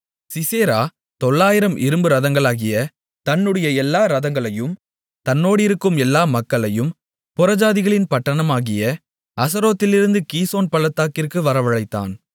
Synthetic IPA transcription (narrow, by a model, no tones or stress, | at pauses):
sɪseːɾaː | t̪ɔɭːaːjɪɾɐmʔɪɾɯmbɯɾɐðɐŋɡɐɭaːɣɪjɐ | t̪ɐnːɯɽɐjɐɛlːaːɾɐðɐŋɡɐɭɐjɯm | t̪ɐnːoːɽɪɾɯkːɯmɛlːaːmɐkːɐɭɐjɯm | pʊɾɐd͡ʒaːðɪɣɐɭɪnpɐʈːɐɳɐmaːɣɪjɐ | ɐsɐɾoːt̪ːɪlɪɾɯnd̪ɯkiːsoːnpɐɭɐt̪ːaːkɪrkɯʋɐɾɐʋɐɭɐɪt̪ːa̰ːn